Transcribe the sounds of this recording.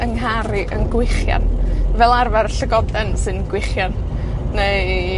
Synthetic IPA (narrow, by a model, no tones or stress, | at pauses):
əŋɦaɾɨʔənɡwɪχja̰nvɛlˠarvarɬəɡɔdɛnsɨnɡwɪχjanː | e